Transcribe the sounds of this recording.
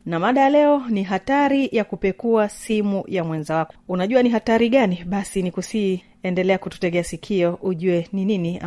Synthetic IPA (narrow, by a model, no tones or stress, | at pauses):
namaɗajalɛɔniɦataɾijakupɛkuasimujamwɛnzawakɔunaʄuaniɦataɾiɠaniɓasinikusi | ɛndɛlɛakutu̥tɛɠɛasikʰiɔʔuʄuɛnininia̰